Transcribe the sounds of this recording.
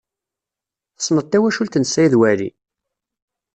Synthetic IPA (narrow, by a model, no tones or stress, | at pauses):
sˤːnət̪ːæwæʃult̪ənsːæjðwæɾḭ